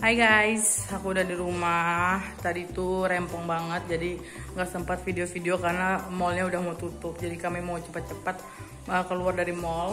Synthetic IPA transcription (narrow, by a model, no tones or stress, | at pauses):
ajɡajsakuːdahdiɾumaht̪adit̪uɾɛmpɔŋbaŋət̪̚d͡ʒadi | ŋɡaʔsəmpat̪̚fideofideokarnamɔlɲaudahmaut̪ut̪ʊp̚d͡ʒadikamɛmaut͡ʃəpat̪̚t͡ʃəpat̪̚ | əkəluardaɾimɔl